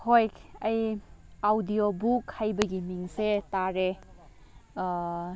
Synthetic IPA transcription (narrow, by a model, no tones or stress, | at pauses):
hojkɐjawdijobukhajbɐɡimiŋsetaɾe